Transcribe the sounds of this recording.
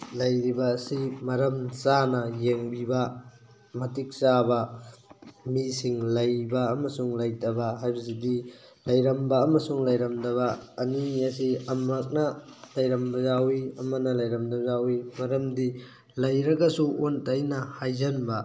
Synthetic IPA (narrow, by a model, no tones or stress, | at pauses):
lɐjɾibɐːsimɐɾɐmsanɐjeŋbibɐ | mɐtik̚sabɐ | misiŋlɐjbɐːmɐsuŋlɐjtɐbɐɦajbɐsidilɐjɾɐmbɐːmɐsuŋlɐjɾɐmdɐβɐːniɐsiɐmɐk̚nɐlɐjɾɐmbɐzawiɐmɐnɐlɐjɾɐmdɐzawimɐɾɐmdi | lɐjɾɐɡɐsuʔontɐjnɐhajzɐnbɐ